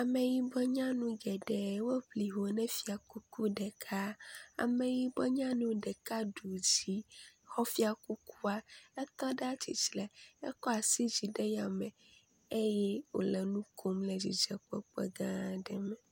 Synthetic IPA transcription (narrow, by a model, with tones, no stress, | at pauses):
a˨mẽ˨ji˦bɔ˦ɲã˦nũ˦ɡɛ˨ɖɛ˨wo˦ɸli˨ɦo˨nɛ̃˦fi˨a˨ku˦ku˦ɖɛ˨kʰa˦a̰˨mẽ˨ji˦bɔ˦ɲã˦nũ˦ɖɛ˨ka˦ɖu˨d͡ʑi˦xɔ˦fi˦a˨ku˦kʰu˦a˦ɛ˦t̪ɔ˦ɖɛ˦a˦t͡ɕḭ˨t͡ʃlɛ˨ɛ̰˦kɔ˦a˨si˦d͡ʑi˨ɖe˦ja˨mɛ̃˨ | e˦jɛ˦wo̰˨lɛ˨nũ˦kʰo˦mlɛ˨d͡ʑi˨d͡ʒɛ˨k͡pɔ̰˦k͡pɛ̰˦ɡã˦ɖɛ˨mɛ̃˨